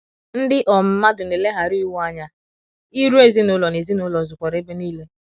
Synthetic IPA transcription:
n̩˦dɪ˦ʔɔ˨m̩˦ma˦dʊ˨ne˨le˦ɦa˨ɾi˦wa˦ɲa˦ | i˦ɾu˦e˨zi˦nʊ˦lɔ˨ne˨zi˦nʊ˦lɔ˨zʊ˨kʷɔ˨ɾe˦be˦niː˦le˦

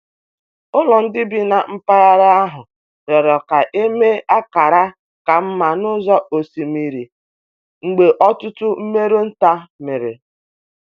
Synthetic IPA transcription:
ʊ˦lɔ˨n̩˦dɪ˦bi˦na˨m̩˦pa˦ɣa˦ɾa˦a˦ɦʊ˨ | ɾɔ˨ɾɔ˨ka˨ʔe˦me˦a˦ka˨ɾa˦ | ka˨m̩˦ma˨nʊ˦zɔ˦o˨si˨mi˦ɾi˨ | ŋ͡m̩˨ɡ͡be˨ʔɔ˦tʊ˦tʊ˦m̩˦me˦ɾu˦n̩˦ta˦me˨ɾe˨

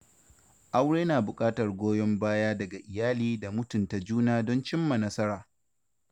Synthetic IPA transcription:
ʔa˦wɽeː˦naː˨bʊ˨kʼaː˦tɐ˨rɡʷoː˦jɔ˦mbaː˦jaː˦dɐ˨ɡa˨ʔɪ˨jaː˦liː˦da˨mʊ˦tʊ˨nta˨d͡ʒuː˦naː˦dɔ˦nt͡ʃɪ˦mːa˨nɐ˦sɐ˦ɾaː˨

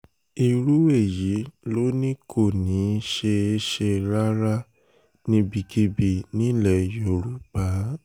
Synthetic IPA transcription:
i˨ɾu˨˦e˦˨ji˨˦lo˦nĩ˦kʰo˦˨nĩ˨˦ʃe˧e˦ʃe˧ɾa˦ɾa˦ | nĩ˧bi˧ɡi˧bi˧˨nĩ˦˨lɛ˦˨jo˨ɾu˨˦k͡pa˦

